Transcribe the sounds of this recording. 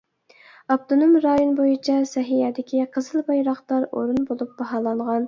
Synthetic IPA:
ɑp̚t̪ʰonomɾɑːjonbojit͡ʃʰɑsɛɦijɛd̪ɪkʲʰiqʰəzɨlˠbɑjɾɑχt̪ɑɾo̰ɾunbolˠup̚b̥ɑɦɑːlˠɑɴʁɑn

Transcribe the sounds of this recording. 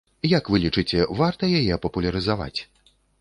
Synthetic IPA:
jakvɨlʲit͡ʂɨt͡sʲɛvart̪ɐjajɛpɐpulʲɐɾɨzava̰t͡sʲ

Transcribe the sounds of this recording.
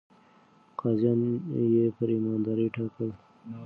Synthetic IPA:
qazanjepəɾimaːnd̪aɾiʈʰakəl

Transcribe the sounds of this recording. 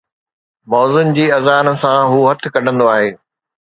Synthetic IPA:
mɔːzʊnd͡ʑiːɐzaːnsãɦuːɦɐt̪ʰɪ̆kɐɗ̤ə̃nd̪oaːɦeː

